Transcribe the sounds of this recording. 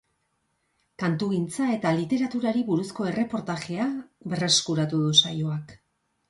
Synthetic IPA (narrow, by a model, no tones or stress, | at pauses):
kant̪uɣint͡sae̞t̪alit̪e̞ɾat̪uɾaɾiβuɾusko̞e̞re̞po̞ɾt̪aʝe̞abe̞re̞skuɾat̪uðusajoak